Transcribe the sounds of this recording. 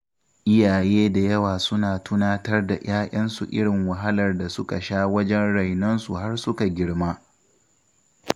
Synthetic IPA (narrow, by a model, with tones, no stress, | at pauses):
ʔɪ˦jaː˨jeː˦da˨jɐ˦waː˨sʊ˦naː˨tʊ˦naː˦tɐ˦rda̰˨j̰aː˦ʔɐ˦nsṵ˨ʔɪ̰˦ɽɪ˨ŋwɐ˨ɦa˦lɐ˨rda˨sʊ˦ka˨ʃaː˦wɐ˦d͡ʒɛ˦nɽa˨jnɐ˦nsu˨ha˦rsʊ˦ka˨ɡʲɪ˦ɽmaː˦